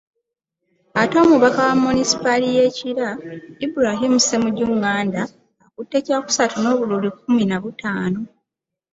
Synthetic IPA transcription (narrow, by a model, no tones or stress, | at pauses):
ato̞ːmuβakawamːonisi̥palije̞ciɾaibuɾaɦimuse̞muɟuŋaːndaː | kutːe̞ːcaːku̥satuno̞ːβululik̚uminaβutʰaːno̞